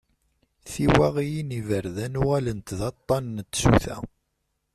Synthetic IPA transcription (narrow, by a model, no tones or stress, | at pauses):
θiwæʁijinivəɾðænuʁælənt̪ðɑt̪ˤːɑnːt̪ːsṵθæ̰